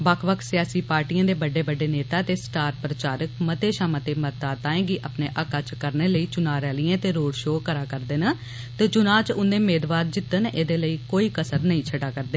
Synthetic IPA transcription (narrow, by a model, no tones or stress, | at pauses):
bəkʰʋəkʰsɪjaːsiːpaːɾʈijãːd̪eːbəɖeːbəɖeːneːt̪aːt̪eːsʈaːɾpɾət͡ʃaːɾəkmət̪eːʃaːmət̪eːmət̪aːt̪aːẽːɡiʔaːpneːʔəkaːt͡ʃkəɾneːləiːt͡ʃʊnaːɾɛːliːãːt̪eːɾoːɽʃoːkəɾaːkəɾd̪eːnə | t̪eːt͡ʃʊnãːt͡ʃʊnd̪eːmeːd̪ʋaːɾd͡ʒɪt̪ːənʔeːd̪eːləiːkoːiːkəsəɾnəĩːt͡ʃʰəɖaːkəɾd̪eː